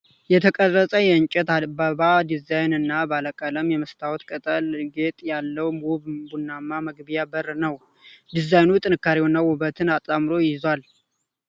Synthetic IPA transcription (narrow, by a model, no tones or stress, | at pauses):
jɛt̪ʰəkʼərːəsʼəjɛɨɲt͡ʃʼɛt̪abaβad̪izajnɨnːabaləkʼələmjɛməst̪ʰawɔt̪kʼət̪ʼəlɡe̞t̪ʼjalːəwmuβbunːamːaməɡbijabərnəw | d̪izajnut̪ʼɨnɨkːaɾiwonːawʊβət̪ʰɨnat̪ʼamɨɾo̞jjɪzwal